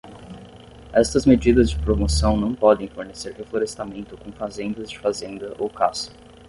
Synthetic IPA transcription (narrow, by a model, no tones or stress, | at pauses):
ɛst̪ɐzmed͡ʒid̪ɐzd͡ʒɪpɾomosɐ̃w̃nɐ̃w̃pɔd̪ẽj̃foɾneseɾhefloɾest̪amẽnt̪ʊkõfazẽnd̪ɐzd͡ʒɪfazẽnd̪ɐʔowkasʊ̥